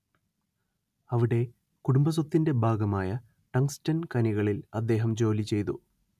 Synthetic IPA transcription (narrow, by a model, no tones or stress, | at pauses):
ɐʋiɽe̞ | kuɽumbɐs̬ɐt̪ːinde̞bʱaːɡɐmaːjɐ | ʈɐŋstɐnkɐniɣɐɭilɐd̪ːe̞ːɦɐmd͡ʑo̞ːlit͡ɕe̞jt̪ṵ